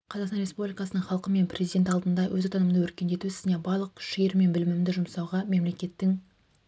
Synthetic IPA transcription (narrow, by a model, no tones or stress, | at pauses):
qʰɑzɑqsɑnɾespublʲijkɑsənəɴχɑlˠqəme̞npʰrʔezid̪et̪ɑlˠd̪ənd̪ɑwʔɵ̰zot̪ʰɑnəmənəwɵɾkʲe̞nd̪e̞t̪usɪ̥zɪne̞bɑɾlˠəq̚kʲʰʏ̥ʃɪjeɾme̞nbɪlɪmɪmd̪ɪʒʊmsɑwʁɑme̞mle̞kʲe̞t̪ːɪŋ